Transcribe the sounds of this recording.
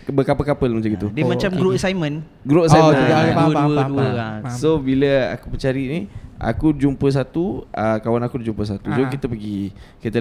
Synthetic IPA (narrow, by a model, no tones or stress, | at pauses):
bəkapəkapəlməd͡ʒaɡit̪udimat͡ʃamɡɾoʔsajmə̃n | ɡɾoʔsajməaauəduəsobiləa̰kupəɲt͡ʃaɾiʔniʔa̰kud͡ʒumpəs̬at̪uəkawanakudd͡ʒumpəs̬at̪usokit̪əpəɡi | kit̪ə